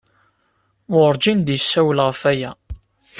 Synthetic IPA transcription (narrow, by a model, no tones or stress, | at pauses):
ʊɾˤd͡ʒind̪jəsːæwlʁəfæjæ